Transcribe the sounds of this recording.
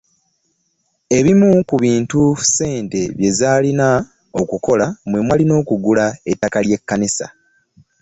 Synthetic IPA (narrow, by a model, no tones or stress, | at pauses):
e̞βimukuβiːntuse̞ːnte̞βje̞zaːlina | o̞kuko̞lamwe̞mwalino̞ːkuɡulaetːakalje̞kːanisa̰